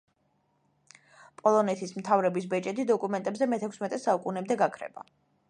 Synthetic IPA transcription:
pʼɔlˠɔnɛt̪ʰismt̪ʰavɾɛbis̬bɛt͡ʃʼɛt̪id̪ɔkʼumɛnt̪ʼɛbzɛmɛt̪ʰɛkʰʷsmɛt̪ʼɛsaukʼunɛmd̪ɛɡakʰɾɛ̰ba̰

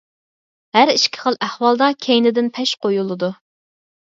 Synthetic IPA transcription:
hæɾiʃkʲʰɪ̥χəlˠʔæhwɑlˠd̪ɑkʲʰejnɪd̪ɪnpʰɛʃqojulˠɨd̪u

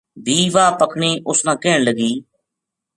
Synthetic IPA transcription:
bʱiːʋaːpəkʰɳeːʔʊsnãːkeːɳləɡiː

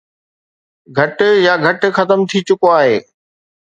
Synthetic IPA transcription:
ɡʱɐʈjaɡʱɐʈxɐt̪əmt̪ʰit͡ɕʊkoaːɦeː

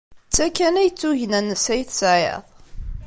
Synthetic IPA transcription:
t͡sːækːænæjət͡sːuʝnænːəsæjθsʕjḛðˤ

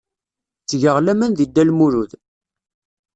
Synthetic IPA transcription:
t͡sːʝəʁlæmənðid̪ːælmuɾuð

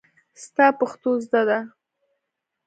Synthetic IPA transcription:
st̪ɑpaxt̪ozd̪ad̪a

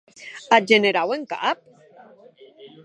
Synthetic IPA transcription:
ad͡ʒeneɾaweŋka̰ʔap̚

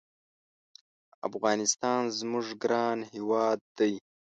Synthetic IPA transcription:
a̰fɣɑːnɪst̪ɑːnzmʊʐɡɾɑːnhiwɑːd̪̚ːaj

